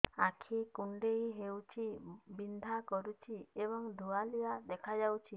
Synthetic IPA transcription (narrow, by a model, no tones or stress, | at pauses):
akʰikuɳɖejɦewt͡ʃʰibind̪ʱakɔɾut͡ʃʰieβɔŋd̪ʱualijad̪ɛkʰad͡ʒawt͡ʃʰi